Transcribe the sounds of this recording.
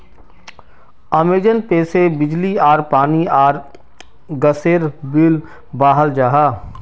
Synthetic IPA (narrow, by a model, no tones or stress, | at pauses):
əmeːd͡ʒənpeːsebɪd͡ʒliaːɾpaːniaːɾ | ɡəseːɾbɪl | baːɦəld͡ʒaːɦaː